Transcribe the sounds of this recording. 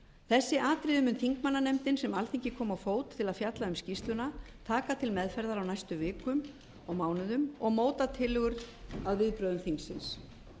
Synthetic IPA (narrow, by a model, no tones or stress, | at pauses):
θɛsːɪʔaːt̪ɾɪðʏmʏnθiŋkmanːanɛmt̪ɪnsɛmalθiŋcɪkʰɔːmawfoːwt̪ʰːɪlaðfjat̪laʏmscist̪lʏna | t̪ʰaːkat̪ʰɪlmɛðfɛɾðaɾawnajst̪ʏvɪːkʏm | ɔɣmaːwnʏðʏmɔɣmoːwt̪at̪ʰɪlːʏɣʏɾaðvɪðpɾœːðʏmθiŋksɪns